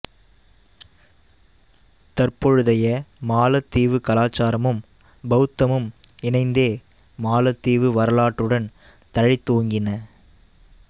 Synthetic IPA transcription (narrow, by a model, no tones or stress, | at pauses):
t̪ɐrpɔɻɯðɐjɐmaːlɐt̪ːiːʋɯkɐlaːt͡ʃːaːɾɐmɯm | bɐɣɯt̪ːɐmɯmɪnɐɪnd̪eː | maːlɐt̪ːiːʋɯʋɐɾɐlaːʈːɯɽɐn | t̪ɐɻɪt̪ːoːŋɡɪnɐ